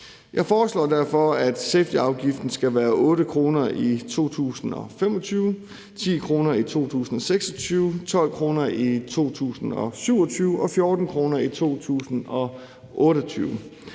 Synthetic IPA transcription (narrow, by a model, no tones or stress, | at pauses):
jʔɑ̈ɪfɒːslɒ̰ːd̥æɐ̰fɒ̽æd̥sefd̥iɑ̈ʊɡ̥ifd̥n̩sɡ̥æʋæːɐʔɔ̽ːɾəkʰʁo̝ːnɐʔit͡sʰo̝̰ːt͡sʰṵːsn̩ɒ̽fem̰ɒ̽t͡sʰyːʊ | t͡sʰḭːkʰʁo̝ːnɐit͡sʰo̝̰ːt͡sʰṵːsn̩ɒ̽seɡ̥sɒ̽t͡sʰyːʊt͡sʰɒ̽l̰kʰʁo̝ːnɐit͡sʰo̝̰ːt͡sʰṵːsn̩ɒ̽syʊ̰ɒ̽t͡sʰyːʊʔɒ̽fjɔ̝ːd̥n̩kʰʁo̝ːnɐit͡sʰo̝̰ːt͡sʰṵːsn̩ɒ̽ | ʔɔ̽ːɾəɒt͡sʰyːʊ